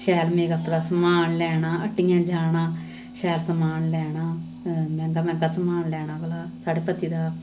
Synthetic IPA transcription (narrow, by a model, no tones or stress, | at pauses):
ʃɛːlmeːɡap̪ːd̪aːsəmaːnlɛːnaːəʈːɪjãːd͡ʒaːɳãː | ʃɛːlsəmaːnlɛːɳaː | mɛ̃ŋkaːmɛ̃ːŋkaːsəmaːnlɛːɳaːbəlaːsaːɖeːpət̪ːiːd̪aː